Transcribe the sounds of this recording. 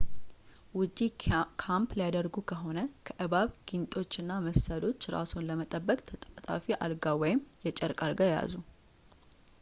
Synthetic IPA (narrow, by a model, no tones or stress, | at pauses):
wʊd͡ʒikʰampljad̪əɾɡukʰəɦo̞nəkʰəʔɨβaβɡ̥int̪ʼo̞t͡ʃːɨnːaməsəlo̞t͡ʃːɾa̰sonləmət̪ʼəbːəkʼt̪ʰət̪ʼət̪ʼa̰fiʔa̰lɡawɔjɪmjɛt͡ʃʼəɾkʼalɡajja̰zu